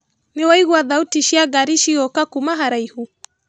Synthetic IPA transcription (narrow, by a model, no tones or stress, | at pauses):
niwaiɣwaðautiʃiaɡaɾiʃiɣɔkakumaɦaɾaihu